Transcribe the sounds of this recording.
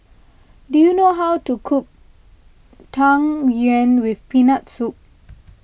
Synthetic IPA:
dujunoɦawtukʰuk̚ | tʰãŋjuɛ̃nwifpinatsup̚

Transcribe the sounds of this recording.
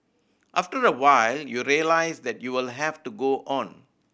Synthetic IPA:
ʔaftəɹəwaɪljuɾiəlaɪsd̪ɛtjuwɪlɦɛftuɡoʔɔ̃n

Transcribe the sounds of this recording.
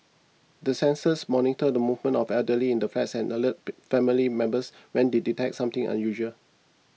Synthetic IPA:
dəsɛ̃nsəsmɔnitədəmuvmə̃ntɔfɛldəliɪ̃ndəflɛtsɛ̃nʔələt̚fɛmilimɛ̃mbəs | wɛ̃ndeditɛk̚tsãmt̪ɪ̃ŋʔã̰njuʒəl

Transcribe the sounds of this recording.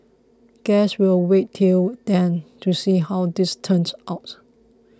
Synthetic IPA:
ɡ̥ɛswilwettʰːild̥ɛ̃ntʰusiɦawdɪstʰə̃nsaʊt

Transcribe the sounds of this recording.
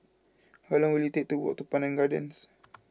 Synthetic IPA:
hɔlɔ̃ŋwilut̪ek̚t̪uwɔ̰ʔ̚t̪upanãnɡadə̰ns

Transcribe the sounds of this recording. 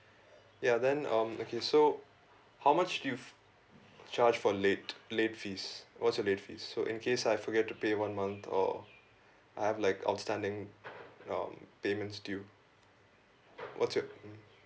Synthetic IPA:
jad̪ɛ̃nʌ̃mokʰeso | haʊmat͡ʃduju | t͡ʃaɾd͡ʒfɔleːtleːʈfiːswɔtsjɔleːtfḭːsːoʔɪ̃nkʰeːsaɪfɔɡɛtːupeːʋʌ̃nmʌ̃nt̪ʰɔ̰ | ʔaɪhævlaɪkʰa̰ʊtstæ̃nɖɪ̃ŋ | ʌ̰̃mpeːmə̃ntstuju | wʔɔ̰tsjɔ

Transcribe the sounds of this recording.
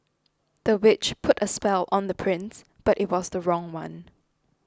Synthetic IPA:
ð̥əwɪt͡ʃpʰʊtəspɛlʔə̃nðəpʰɹɪ̃ns | b̥atɪt̚wɔzðəɹɔ̃ŋwã̰n

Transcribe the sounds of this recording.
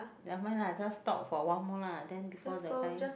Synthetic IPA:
dɛmãnlad͡ʒastɔ̰p̚fɔwãnmɔladɛ̃nbifɔdɛtã

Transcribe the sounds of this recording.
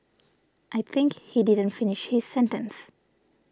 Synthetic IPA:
ʔaɪt̪ʰɪ̃ŋkhidɪdə̃ntfɪnɪʃhiz̥sɛ̃nʈə̰̃ns

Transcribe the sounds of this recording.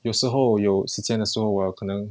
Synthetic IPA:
joʊʂɻ̩xoʊjoʊʂɻ̩t͡ɕʰjɛnd̪əʂɻ̩xoʊwjkʰɤnɤŋ

